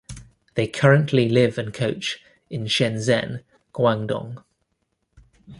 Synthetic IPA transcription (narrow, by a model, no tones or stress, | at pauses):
ðeɪkʰʌɹə̃nʔlilɪvə̃nkʰəʊt͡ʃ | ɪ̃nʃɛ̃nzɛ̰̃n | ɡ̥wãŋdɒ̰̃ŋ